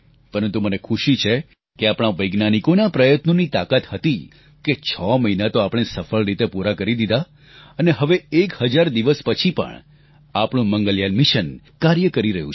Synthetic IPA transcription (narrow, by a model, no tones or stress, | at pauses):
pəɾənt̪umənekʰuʃit͡ʃʰe | keapɽ̃aʋəjɡnanikonapɾəjət̪nonit̪akat̪hət̪i | ket͡ʃʰɔməɦinat̪oapɳ̃esəfəɭɾit̪epuɾakəɾid̪id̪a | əneɦəʋeekhəd͡ʒaɾd̪iʋəspət͡ʃʰipə̰ɳ | apɽ̃ũməŋɡəljanmiʃən | kaɾjəkəɾiɾəɦjũt͡ʃʰ